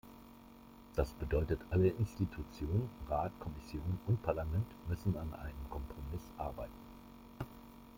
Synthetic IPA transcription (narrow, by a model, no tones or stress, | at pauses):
d̥asb̥ədɔʏtətʰʔaləʔɪnstitʰut͡sjoːnənʁaːtkʰɔmɪsjoːnʊnt̚pʰaɐlamɛntmʏsn̩anʔa̰ɪnəmkʰɔmpʁ̥omɪsʔa̰ɐbaɪtn̩